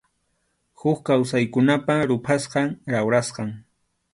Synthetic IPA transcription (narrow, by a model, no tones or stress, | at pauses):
hʊkkawsajkʊnapaɾʊpʰasqɑŋɾawɾasqɑŋ